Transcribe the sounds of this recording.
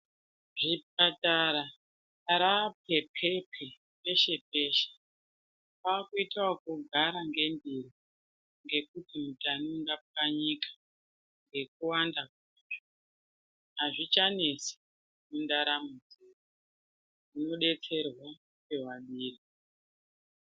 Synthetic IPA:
ʐip̚ataɾa | aɾap̚epʰepʰe | pe̞ʃe̞pe̞ʃe̥ | pakuitwakuɡʱaɾaŋɡe̞mbiɾi | ŋɡe̞kutimutanuŋɡaaɲikḁ | ŋɡe̞k̚uwandakuʐo | ɦaʐit͡ʃane̞si̥ | mundaɾamud͡zera | uno̞ɗe̞t͡se̞rwa | pe̞waɓiːri

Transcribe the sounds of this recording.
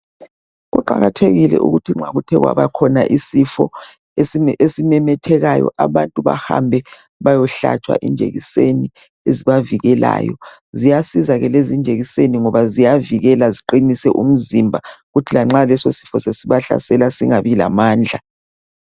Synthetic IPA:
ɣṵǃaɣatʰeɣilɛ̰ʔṵɣutʰiŋ͡ǁaɣutʰɛɣwa̰βakʰɔnaʔisifɔ̰ | eesimɛmɛtʰɛɣajɔ̰ʔaβantʼuβa̰ha̰mbʱɛ | βajɔɬa̰t͡ʃʰʼwa̰ʔḭnd͡ʒʱḛɣḭseni | eziβaviɣɛla̰ːjɔ | zijasizaɣɛlezind͡ʒʱeɣiseniŋɔβazijaviɣɛlaziǃinisɛʔum̩zimbʱaɣutʰilaŋ͡ǁalɛsosi̥fɔsesiβaɬa̰sɛlasiŋaβila̰maːnd͡ɮʱa

